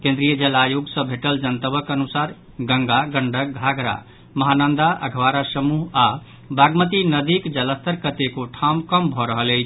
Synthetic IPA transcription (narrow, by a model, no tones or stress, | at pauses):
kẽnd̪ɾijəd͡ʒelajoɡsə̃bʱeʈəld͡ʒənt̪əbəkənusaɾ | ɡə̃ŋɡaɡəɳɖək̚ɡʱaɡɾa̰ | məɦanənd̪aʔə̰ɡʱʋaɾasəmuɦa | baɡmət̪inəd̪ikd͡ʒələst̪əɾkət̪ekoʈʰamkəmbʱɔɾəɦəleɪt͡ʃʰ